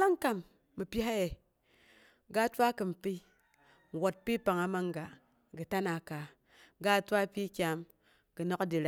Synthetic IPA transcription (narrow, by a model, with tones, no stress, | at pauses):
la˦ŋ˦ka˦mː | ɨ˨pi˦a˦je˨ | ɡa˦tʷa˦kɨ˨m˨pi˦˨ | wo˨t̚pi˦pa˨ŋa˨ma˦ŋ˦ɡa˨ | ɡɨ˨ta˦na˨ka˨ | ɡa˦˨tʷa˦pi˦kʲa˦m | ɡ̥ɨ˨no˦ka˦di˨ɾa